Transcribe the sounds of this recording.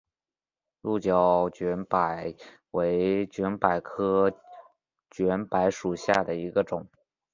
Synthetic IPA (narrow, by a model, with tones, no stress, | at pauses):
lu˥˩t͡ɕjɑ˨˩ʊt͡ɕɥɛ˧˥npa˨˩ɪ | we˧˥ɪt͡ɕɥɛ˧˥npa˨˩ɪkʰɤ˥ | t͡ɕɥɛ˧˥npa˧˥ɪʂu˨˩ɕja˥˩d̪ə˩i˧˥ɡə˧ʈ͡ʂʊ˨˩˦ŋ